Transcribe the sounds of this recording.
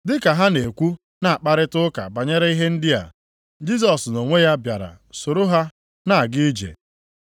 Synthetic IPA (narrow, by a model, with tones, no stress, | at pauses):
dɪ˦ka˨ɦa˦ne˨kʷu˦ | na˨a˨k͡pa˦ɾɪ˦tʊ˦ka̰˨ba˨ɲe˦ɾe˦i˦ɦe˦n̩˦dɪ˦a̰˨ | d͡ʒi˦s̬ɔ˨sno˨ŋʷe˦ja˦bja˨ɾa̰˨ | so˨ɾo˦ɦa˦ | na˨ɡɪ˦d͡ʒḛ˨